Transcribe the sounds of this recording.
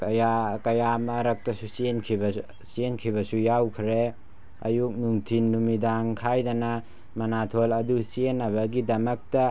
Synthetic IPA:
kjakɐjamɐɾɐk̚tɐsusienkʰibɐ | sienkʰibɐsujawkʰɾe | ɐ̰juk̚nuŋtʰinːumidaŋkʰajdɐnɐ | mɐnatʰolɐdusienːɐβɐɡidɐmɐk̚tɐ

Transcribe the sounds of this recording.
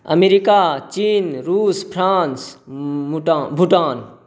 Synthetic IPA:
ɐ̰meɾikat͡ʃiːnɾuːspʰɾaːns | ʈabʱuʈaːn

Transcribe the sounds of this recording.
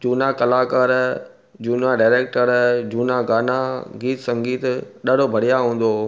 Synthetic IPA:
d͡ʑuːnakɐlaːkəɾ | d͡ʑuːnaɖaːɾeːk̚ʈəɾd͡ʑuːnaɡaːnaɡiːt̪sɐ̃ŋɡiːt̪ɗɐɽ̤obʱɐɽ̤ijaɦũːn̆d̪oː

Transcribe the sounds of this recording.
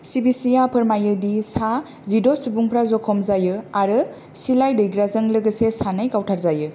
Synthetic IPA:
sibisijapʰɯɾmajɯdisa | zidosubuŋpʰɾazɔkʰɔmzajɯaɾɯ | silajdɯjɡɾazɯŋlɯɡɯsesanɯjkawtʰaɾzajɯ

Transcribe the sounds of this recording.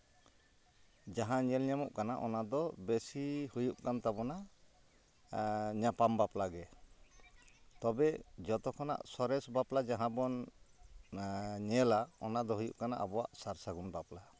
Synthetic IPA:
d͡ʒaɦãɲɛlɲamɔʔkana̰ʔɔ̰nad̪ɔbesihujuʔkant̪abɔna | ɲapambaplaɡɛ | t̪ɔbɛd͡ʒɔt̪ɔkʰɔna̰ʔsɔɾɛsbaplad͡ʒaɦãbɔn | ɲɛlaɔnad̪ɔɦujṵʔkana̰ʔabɔwa̰ʔsaɾsaɡunbapla

